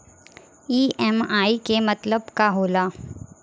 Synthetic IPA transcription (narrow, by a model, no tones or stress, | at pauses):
iːɛmaːikemɐt̪ləbkaɦoːlaː